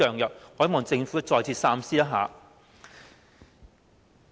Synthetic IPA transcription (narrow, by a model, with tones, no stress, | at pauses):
œː˨ŋjœ˨˩p̚hɔː˨˥mɔː˨˩t͡sɪ˧ŋfu˨˥tɐ˥t͡sɔː˧jt͡sʰi˧t̚saː˥msiː˥t̪ɐ˥ɦa̰ː˨˦